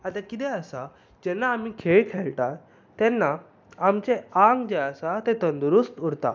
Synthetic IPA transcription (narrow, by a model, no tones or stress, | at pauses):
at̪akit̪ɛəsa | d͡ʑɛnːaːm̤iːkʰeɭkʰɛɭʈa | t̪ːɛnːaː | mt͡ɕeaŋɡd͡ʑeəsat̪ẽt̪ənd̪uɾust̪uɽt̪a̰